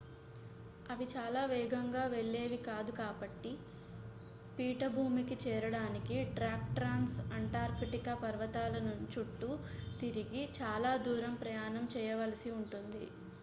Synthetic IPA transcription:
ɐʋit͡ʃaːlaːʋɛːɡɐŋɡaːʋeɭːeːʋikaːd̪ukaːbɐʈːi | piːʈɐbʱuːmikit͡ʃɛːɾɐɽaːnikiʈɾaːk̚ʈɾaːnsɐɳʈaːɾpiʈikɐpɐɾʋɐt̪aːlɐnut͡ʃuʈːut̪iɾiɡit͡ʃaːlaːd̪uːɾɐmpɾɐjaːnɐmt͡ʃɛːjɐʋɐlɐsiuɳʈund̪ḭ

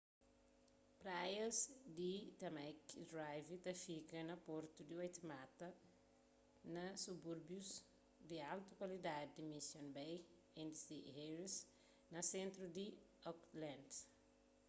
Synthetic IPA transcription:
pɾajɐsd̪it̪ɐmajkd̪ɾajvit̪ɐfikɐnɐpɔɾt̪ud̪iwojt̪imat̪ɐ | nɐsubuɾbjus | d̪ialt̪ukwɐlid̪ad̪id̪imisjõnbɛj | ẽnd̪isiheɾis | nɐsẽnt̪ɾud̪i | ɔklãnd̪

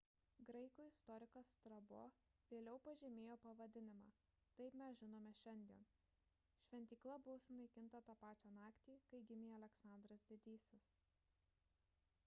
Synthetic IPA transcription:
ɡɾɐɪkuːɪst̪ɔɾʲɪkost̪ɾɐboːʋʲeːlʲɛʊpɐʒʲɛmʲeːjoːpɐʋɐd̪ʲɪnʲɪmɑ̰ː | t̪ɐɪpmʲɛsʒʲɪnoːmʲɛʃʲɛnʲd̪ʲiɛn | ʃʲʋʲɛnʲt̪ʲiːklˠɐbʊʋoːsʊnɐɪkʲɪnˑt̪ɐt̪ɑːpɑːt͡ʃʲænɑːkt̪ʲiːkɐɪɡʲɪmʲijɐlʲɛksɑˑnd̪ɾɐsd̪ʲeːd̪ʲiːsʲɪs

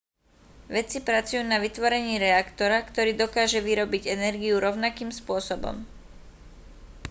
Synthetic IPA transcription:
ʋɛt͡sipɾat͡sujuːnaʋit̪ʋɔɾɛɲiːɾɛakt̪ɔɾakt̪ɔɾiːd̪ɔkaːʒɛʋiɾɔbiɟɛnɛɾɡiuɾɔʊnakiːmspʊɔsɔbɔ̰m

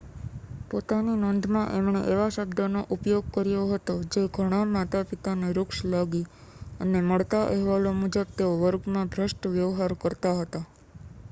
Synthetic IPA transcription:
pot̪aninoːnd̪ʱmãʔemɳ̃ḛʔeʋaʃəbd̪ənoʔupjoɡ̚kəɾjoɦət̪od͡ʒeɡʱəɽ̃amat̪apit̪aneɾʊkʃləɡiəneməɭt̪aʔəɦʋalomud͡ʒəb̚t̪eoʋəɾɡmãbʱɾəʃʈʋjəʋɦaɾkəɾt̪aɦət̪a

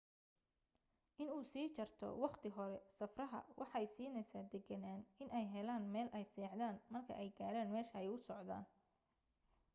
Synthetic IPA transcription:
ʔɪnuːsiːt͡ʃɐrt̪ʰɔ̰wɑqt̪ʰɪɦɔɾɛsɐfrɐɦɐ̰wʔɑħjsiːnɛjsaːd̪ɛɡɐnaːnɪnʔɛjɦɛlaːnmɛːlʔɛjsɛːħd̪aːnmɐrkʰɐ̰ʔɛjɡaːɾaːnmɛːʃɐɛjʊsɔʕða̰ːn

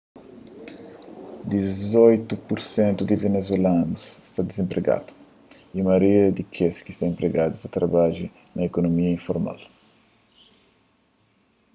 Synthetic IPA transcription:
d̪izojt̪upuɾsẽnt̪ud̪ivenezwelanusst̪ad̪izẽmpɾeɡa̰d̪u̥ | imɐɾiɐd̪ikʰeskist̪aẽmpɾeɡad̪ust̪at̪ɾabaʒi | nʔɐekonomiɐĩɱfoɾma̰l

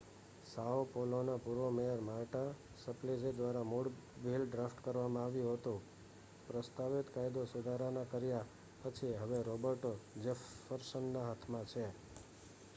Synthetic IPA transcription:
saopolonapuɾʋomejəɾmaɾʈa | səpled͡ʒed̪ʋaɾamuɽbʱilɖɾafʈkəɾʋamãaʋjũɦot̪ũ | pɾəst̪aʋit̪kajd̪osud̪ʱaɾanakəɾja | pət͡ʃʰiɦəʋeɾobəɾʈod͡ʒefːəɾsənːaɦat̪ʰmãt͡ʃʰe

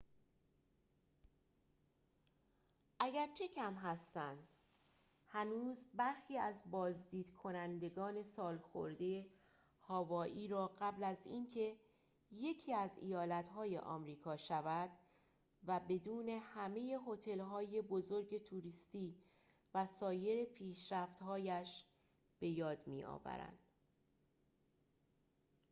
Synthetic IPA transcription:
ʔæɟæɾt͡ʃʰe̞cʰæmɦæst̪ænd̪̥ | hænuːzbæɾxiːæzbɒːzd̪iːd̪̥kʰo̞nænd̪e̞ɡɒːne̞sɒːlxo̰ɾd̪e | hɒːvɒːʔiːɾɒːɢæblæziːncʰe̞ | je̞cʰiːæzijɒːlæt̪ɦɒːje̞̰ʔɒ̰ːmɾiːkʰɒːʃævæd̪̥ | væbe̞d̪uːne̞hæmeje̞ɦo̞t̪ʰe̞lɦɒːje̞bo̞zo̞ɾɟe̞t̪ʰuɾiːst̪iː | væsɒːje̞ɾepʰiːʃɾæft̪hɒːjæʃ | b̥e̞jɒːd̪mḭːɒ̰ːvæ̰ɾæ̰nd̪̥

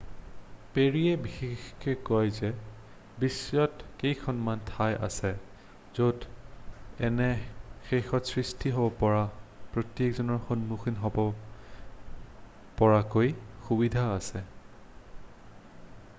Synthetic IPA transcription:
peɹiɛbixexkʰɛkɔjzɛ | bisɔtkejkʰɔnmantʰajʔa̰sɛ | zod | ɛnɛxexɔtsɹistʰiɦobɔpɔɹapɹotekzɔnɔɹxonmuxinɦɔbɔ | pɔɹakojxubidʱaːsɛ

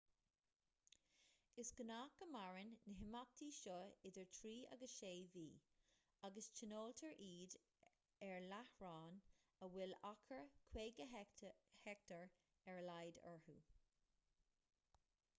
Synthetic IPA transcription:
ɪsɡ̥ənaːkəmaɹɪnːəɦɪmak̚t̪ʰiːʃɔɪdəɹtʰɹiːa̰ɡəʃeːviː | aɡəst͡ʃʰənoːltʰəɹʔiːd | ɛɹlahɹɑːnəwɪlakʰəɹkʰweːɡə | hɛk̚tʰəɹ | ɛɹlajdə̰ɹhṵː

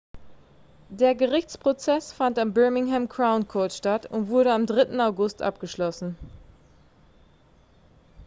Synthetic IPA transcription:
d̥eːɐɡəʁɪçt͡spʁ̥ot͡sɛsfantambœɐmɪŋɦɛmkʰʁ̥aʊnkʰɔɐtʃtatʊ̰ntv̥ʊɐɾəamdʁɪtn̩aʊɡʊstʔa̰p̚ɡ̥əʃlɔsn̩

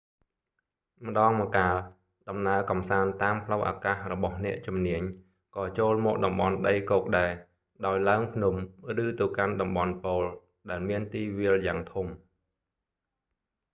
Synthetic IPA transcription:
mə̆ɗɑːŋmɔkaːl | ɗɑmnaəkɑmsaːnt̪aːmpʰləwʔa̰ːkaːhrɔɓɑhnɛ̆əʔt͡ɕumniəɲ | kɑːt͡ɕoːlmɔʔ̚ɗɑmɓɑnɗəjkoːk̚ɗaɛ | ɗaɔjlaəŋpʰnumrɨːt̪əwkanɗɑmɓɑnpoːl | ɗaɛlmiənt̪iːʋiəljaːŋt̪ʰum

